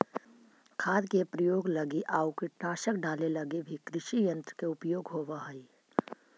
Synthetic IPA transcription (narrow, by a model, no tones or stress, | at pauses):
kʰaːd̪kepɾəjoːɡlɐɡiʔaːukɪʈnaːʃək̚ɖaːlelɐɡebʱikɾɪʃijə̃nt̪ɾəkeʊpjoːɡɦoːʋaɦɐi